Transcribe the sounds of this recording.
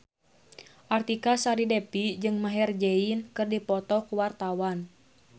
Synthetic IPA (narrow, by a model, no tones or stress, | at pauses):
ʔart̪ikasaɾidɛpid͡ʒɨŋmaɦɛrd͡ʒɛinkɨrdipɔt̪ɔkuwart̪awan